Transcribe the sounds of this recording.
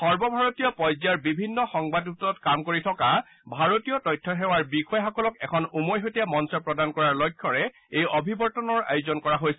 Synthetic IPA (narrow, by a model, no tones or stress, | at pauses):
xɔɹbɔbʱaɹotijɔpɔjzaɹbibʱinːɔxɔŋbadutɔɔtkamkoɹitʰɔka | bʱaɹotijɔtɔjtʰːɔɦɛwaɹbikʰɔjxɔkɔlɔkɛkʰɔnumojɦotijamɔnsɔpɹɔdankɔɹaɹlɔjkʰːɔɹɛ | ejobʱibɔɹtɔnɔɹa̰juzɔnkɔɹaɦojsɛ